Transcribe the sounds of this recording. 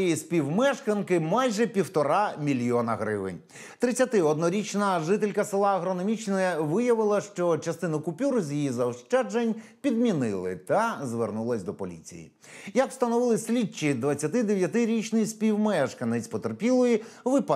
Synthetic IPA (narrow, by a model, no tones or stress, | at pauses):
jisʲpʲiwmɛʃkɐnkɪmɑjʒɛpʲiwt̪ɔɾɑmʲilʲjɔnɐɦɾɪʋɪ̰nʲ | t̪ɾɪt͡sʲːɐt̪ɪɔd̪nɔɾʲit͡ʃnɐʒɪt̪elʲkɐsɪlˠɑɐɦɾɔnɔmʲit͡ʃnɔɛʋɪjɐʋɪlˠɐʃt͡ʃɔt͡ʃɐst̪ɪnɐkʊpʲuɾzʲjijizɐɔʃt͡ʃɛd͡ʒenʲpʲid̪̚mʲinɪlˠɪ̰t̪ɐzʋernulˠɐsʲd̪ɔpɔlʲḭt͡sʲḭjḭ | jɐkst̪ɐnɔʋɪlˠɪsʲlʲit͡ʃid̪ʋɐt͡sʲːɐt̪ɪd̪eʋʲjɐt̪ɪɾʲit͡ʃnɪjsʲpʲiwmɛʃkɐnɪt͡sʲpɔt̪erpʲilˠɔjiʋɪp